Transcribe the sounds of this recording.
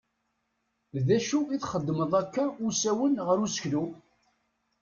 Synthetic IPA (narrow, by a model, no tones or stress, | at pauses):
ðæʃuiθχəd̪ːməðˤækːæʊsæwənʁəɾusə̥çlu